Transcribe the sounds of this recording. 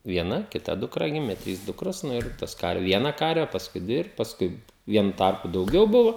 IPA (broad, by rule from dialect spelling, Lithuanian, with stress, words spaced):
ʋʲiɛˈnɐ kʲɪˈtɐ dʊˈkrɐ ˈɡʲɪmʲeː ˈtʲrʲiːs ˈdʊkroːs ɪr ˈtɐs kɐr ˈʋʲiɛnɐ ˈkɐrʲʋʲɛ pɐsˈkʊɪ ˈdʲʋʲɪ ɪr pɐsˈkʊɪ ˈʋʲiɛnʊ ˈtɐrpʊ dɐʊˈɡʲɛʊ ˈbʊʋoː